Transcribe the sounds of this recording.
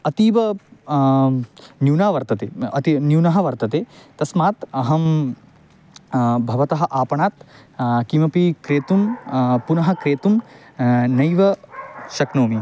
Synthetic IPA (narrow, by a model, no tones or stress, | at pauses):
ɐt̪iːʋɐ | njuːnaːʋɐɾt̪ɐt̪ḛːɐt̪injuːnɐɦɐʋɐɾt̪ɐt̪eːt̪ɐsmaːt̪ɐɦɐm | bʱɐʋɐt̪ɐɦɐ̆ʔaːpɐɳaːt̪ | kimɐpikɾeːt̪umpunɐɦɐ̆kɾeːt̪um | nɐjʋɐʃɐknoːmi